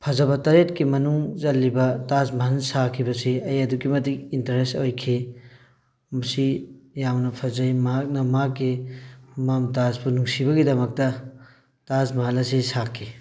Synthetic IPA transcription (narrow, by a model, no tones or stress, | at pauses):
pʰɐzɐbɐtɐɾetkimɐnuŋzɐlːibɐtasmɐɦɐlsakʰibɐsiɐjɐdukimɐt̬ikintɐɾesojkʰi | mɐsijawnɐpʰɐzɐjmɐɦak̚nɐmakːi | mamtaspunuŋsibɐɡidɐmɐk̚tɐ | tasmɐɦɐlɐsisakʰːi